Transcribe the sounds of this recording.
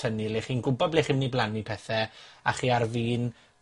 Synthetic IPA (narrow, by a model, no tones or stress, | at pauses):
ənileχiːnɡʊbɔbleχiːmniblˠanipʰɛθɛa̰χiːarviːn